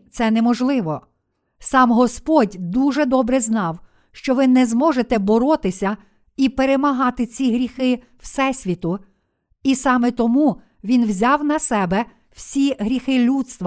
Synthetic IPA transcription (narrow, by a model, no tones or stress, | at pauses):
t̪sɛnɛmɔʒlˠɪʋɔ | sɑmɦɔspɔdʲd̪uʒɛd̪ɔbɾɛznɑw | ʃt͡ʃɔʋɪnɛzmɔʒet̪ɛbɔɾɔt̪ɪsʲɐ | ipeɾemɐɦɑt̪ɪt͡sʲiɦɾʲixɪ | wsɛsʲʋʲit̪ʊ | isɑmɛt̪ɔmu | ʋʲinwzʲɑwnɐsɛbɛ | wsʲiɦɾʲixɪlʲut̪st̪ʋɐ